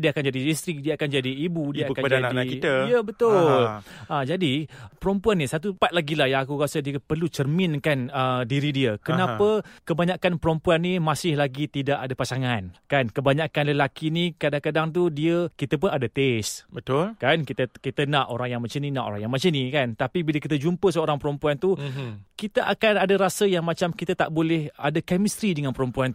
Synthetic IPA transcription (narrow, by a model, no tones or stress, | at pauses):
diəakand͡ʒadilist̪ɾɪk̚diəakand͡ʒadiːbudiakaadaanaakiəjəbət̪ʊlʔad͡ʒadipəɾɔmpuanːisat̪upat̪̚laɡilahjaakukasədiəpərlut͡ʃərmɪnkanədiɾidiəkənapəkəbaɲakanpəɾɔmpuanːimasɪhlaɡit̪idaʔadapasaŋankankəbaɲakanləlakinikadaŋkadaŋt̪udiəkit̪əp̬ʊnadat̪ɛsbət̪ʊlkankit̪əkit̪ənaʔoɾaŋjaŋmat͡ʃəninaʔo̰ɾaŋjaŋmat͡ʃənikant̪apibiləkit̪̬əd͡ʒumpəs̬əoɾaŋpəɾəmpuant̪ukit̪əʔakanadaɾasəjaŋmat͡ʃamkit̪at̪aʔbolɛha̰dakɛmist̪ɾidəŋanpəɾɔmpuan